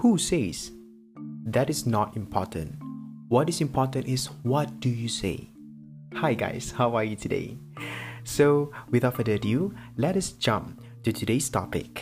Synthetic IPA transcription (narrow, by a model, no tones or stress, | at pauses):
huses | ðɛɾɪsnɔtĩmpʰɔ̰tʰə̰̃ntwɔtɪsĩmpʰɔtə̃ntɪswɔt̚d̥ujusḛɪ | haɪɡa̰ɪshaʊajutʰudḛɪ | sowɪðaədədjulɛɾəsd͡ʒʌ̃mp | tutʰudestɔ̰pɪ̰k